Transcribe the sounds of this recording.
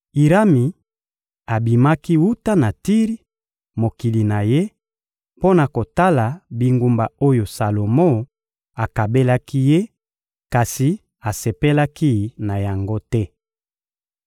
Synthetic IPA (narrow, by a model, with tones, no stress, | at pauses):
i˨ʁa˦mi˨ | a˨bi˨ma˦ki˦wu˦ta˦na˨ti˦ʁi˦ | mo˨ki˨li˨na˨je˦ | po˦na˨ko˨ta˦la˨bi˨ŋɡu˨mba˨o˦jo˨sa˨lo˨mo˦ | a˨ka˨be˦la˦ki˦je˦ | ka˨si˨ | a˨se˨pe˦la˦ki˦na˨ja˨ŋɡo˦tɛ˦